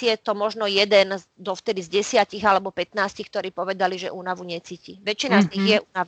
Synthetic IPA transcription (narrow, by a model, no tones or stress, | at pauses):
jɛt̪ɔmɔʒnɔjɛd̪ɛn | d̪ɔft̪ɛd̪izɟɛsɪaciɣalɛbɔpɛt̪naːscixk̚t̪ɔɾiːpɔʋɛd̪aliʒɛ̰ʔuːnaʋuɲɛt͡siːciʋɛt͡ʃinazɲiɣjɛuːnaʋ